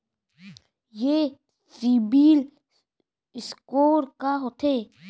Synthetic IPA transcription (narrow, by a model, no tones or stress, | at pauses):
je | sibiːl | ɪskoːɾkaɦot̪ʰeː